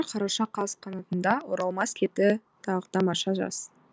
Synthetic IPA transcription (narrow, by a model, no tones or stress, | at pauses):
ɾqʰɑɾɑʃɑqʰɑzqʰɑnɑt̪ənd̪ɑwoɾɑlˠmɑskʲʰe̞t̪ɪ | t̪ʰɑʁəd̪ɑmɑʃɑʒɑ̰s